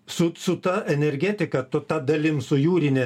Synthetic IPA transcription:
sʊsʊt̪ɐʔɛnʲɛɾʲɡʲɛt̪ʲɪkɐt̪ʊt̪ɐd̪ɐlʲɪmsʊjuːɾʲɪnʲɛ

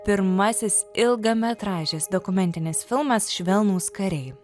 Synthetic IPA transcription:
pʲɪɾmɐsʲɪsɪlˠɡɐmʲɛt̪ɾɑːʒʲeːsd̪ɔkʊmʲɛnʲt̪ʲɪnʲɪsfʲɪlˠmɐsʃʲʋʲɛlˠnuːskɐɾʲɛɪ

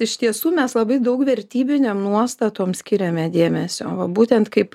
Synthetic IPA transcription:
ɪʃt̪ʲiɛsuːmʲɛslˠɐbɐɪd̪ɐʊkʋʲɛɾʲt̪ʲiːbʲɪnʲeːmnuɔst̪ɐt̪oːmsʲkʲɪɾʲɛmʲɛd̪ʲeːmʲɛsʲo̰ːʋɐbuːt̪ʲɛnt̪kɐɪp

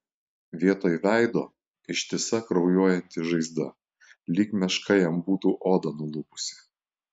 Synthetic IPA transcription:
ʋʲiɛt̪oːjʋʲæˑɪd̪oː | ɪʃʲt̪ʲiɛsɐkɾɒʊjoːjɛnʲt̪ʲɪʒɐɪzd̪ɐ | lʲiːkmʲɛʃkʰɐɪjɛmbuːt̪uːʔoːd̪ɐnʊlˠʊpʊ̥sʲɪ̥

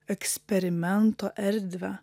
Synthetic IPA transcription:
ɛkspɛɾɪmɛnt̪o̰ːʔæɾd̪ʋə

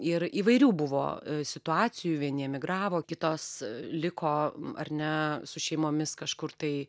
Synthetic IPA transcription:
ɪɾiːʋɐɪɾʲuːbʊʋo̰ːsʲɪt̪ʊɑːt͡s̪ʲɪjuːʋʲiɛnʲiɛmʲɪɡɾɑːʋoːkʲɪt̪oːslʲɪkʰoːɐ̰ɾʲnʲɛsʊʃʲɛɪmoːmʲɪskɐʃkʊɾt̪ɐɪ

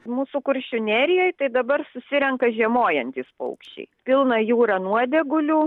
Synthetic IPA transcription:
muːsʊkʊɾʲʃʲʊnʲæːɾʲɪjoːjt̪ɐɪd̪ɐbɐrsʊsʲɪɾʲɛŋkɐʒʲiɛmoːjɛnʲt̪ʲiːspɐ̰ʊkʃʲt͡ʃʲɛ̰ɪpʲɪlˠnɐjuːɾɑnuɔd̪ʲɛɡʊlʲuː

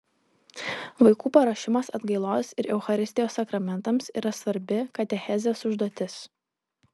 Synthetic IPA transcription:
ʋɐɪkuːpɐɾɐʃʲɪmɐsɐd̪ɡɐɪlˠoːsɪɾʔɛʊxɐɾʲɪsʲt̪ʲɪjoːsːɐkɾɐmʲɛnt̪ɐmsiːɾɐsʋɐɾʲbʲɪkɐt̪ʲɛxʲɛzʲesʊʒd̪oːt̪ʲɪs

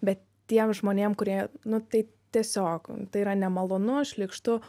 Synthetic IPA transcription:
bʲɛt̪ | t̪ʲiɛmʒmoːnʲeːmkʊɾʲiɛnʊt̪ɐɪt̪ʲiɛsʲoːkt̪ɐɪiɾɐnʲɛmɐlˠoːnʊɐʃʲlʲiːkʃt̪ʊ

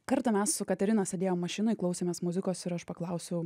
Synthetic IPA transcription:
kɐɾt̪ɐmʲɛssʊkɐt̪ʲɛɾʲɪnɐsʲɛd̪ʲeːjoːmːɐʃʲɪnʊɪklˠɐʊsʲeːmʲeːsmʊzʲɪkoːsɪɾɐʃpɐklˠɐʊsʲɛʊ

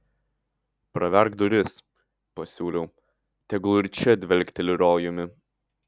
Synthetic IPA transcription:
pɾɐʋʲɛɾɡd̪ʊɾʲɪs | pɐsʲuːlʲɛʊ | t̪ʲɛɡlˠʊɾʲt͡ʃʲɛd̪ʲʋʲɛlʲkt̪ʲɛlʲɪɾoːjʊmʲɪ

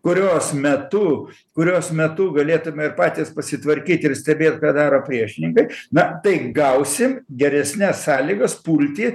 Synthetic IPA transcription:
kʊɾʲoːsmʲɛt̪ʊ | kʊɾʲoːsmʲɛt̪ʊɡɐlʲeːt̪ʊmʲɛɪɾpɑːt̪ʲiːspɐsʲɪt̪ʋɐɾʲkʲiːt̪ʲɪrsʲt̪ʲɛbʲeːt̪ʲkɑːd̪ɑːɾoːpʲɾʲiɛʃʲɪnʲɪŋkɐɪnɐt̪ɐɪɡɐʊsʲɪmɡʲɛɾʲɛsʲnʲæssɑːlʲiːɡɐspuːlʲt̪ʲiː

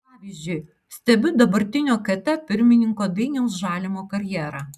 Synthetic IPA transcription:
pɑːʋʲiːˑzʲd͡ʒʲʊɪ | sʲt̪ʲɛbʲʊd̪ɐbɐɾʲt̪ʲɪnʲoːkɐt̪ʲɛpʲɪɾʲmʲɪnʲɪŋkoːd̪ɐɪnʲɛʊsʒɑːlʲɪmoːkɐɾʲjɛːɾɑ

